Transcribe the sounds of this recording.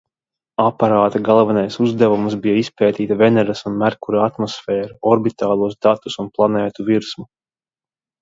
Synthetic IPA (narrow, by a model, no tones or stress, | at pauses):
apaɾaːt̪aɡalˠvanajsuzd̪ævumsbijaispɛːt̪iːt̪avenɛɾasunmæɾkuɾaat̪mɔsfɛːɾuɔɾbit̪aːlˠuɔsd̪at̪usunplˠanɛːt̪uviɾsmu